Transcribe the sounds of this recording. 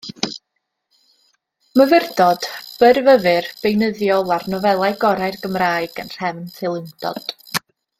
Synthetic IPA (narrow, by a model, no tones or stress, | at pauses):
məvɪrdɔd̥b̥ərvəvɨrb̥ejnəðjɔlˠarnɔvɛlˠajɡɔɾajrɡəmraːɨɡənr̥ɛvntʰelˠɪnd̥ɔ̰d̥